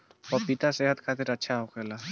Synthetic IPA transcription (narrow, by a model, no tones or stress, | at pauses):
ɔpit̪aseɦət̪kʰat̪eɾətːʃʰaɦokʰɛla